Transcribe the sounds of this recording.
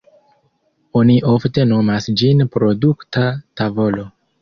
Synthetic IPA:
oniʔo̞fte̞no̞masd͡ʒinpɾo̞duktatavo̞lo̞

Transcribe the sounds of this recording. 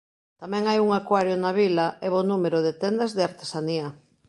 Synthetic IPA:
t̪amɛ̃ŋajuŋakwaɾjonaβilaʔɛβonumeɾoðet̪end̪azðeaɾt̪e̥saniɐ

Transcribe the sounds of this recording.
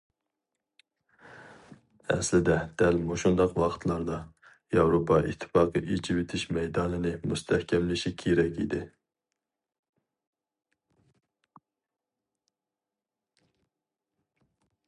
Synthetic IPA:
ɛ̰slɪd̪ɛd̪̥ɛlmoʃund̪ɑqwɑqʰə̥t̪ʰlˠɑɾd̪ɑ | jɑwɾopʰɑʔḭt̪ʰːɪ̥fɑːqʰɨʔit͡ʃʰiwet̪ʰɪʃmɛjd̪ɑːnɨnɨmust̪ʰɛhkʲʰɛmlɪʃikʲʰeɾɛkʲḭd̪ɪ

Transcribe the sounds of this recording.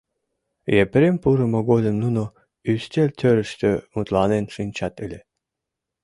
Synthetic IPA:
jepɾempuɾəmoɡolʲə̆mnuno | yst̪ʲelʲt̪ʰʲøɾə̆ʃt̪ømut̪lˠɑnenʃɨnʲt͡ɕɑt̪ɨlʲe

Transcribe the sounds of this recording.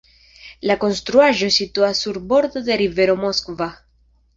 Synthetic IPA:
lako̞nst̪ɾuaʒo̞sit̪uasuɾbo̞ɾd̪ode̞ɾive̞ɾo̞mo̞skva

